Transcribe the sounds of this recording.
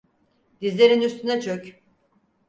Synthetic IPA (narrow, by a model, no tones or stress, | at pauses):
d̪̥izlʲeɾinyst̪ʰynɛt͡ʃʰøc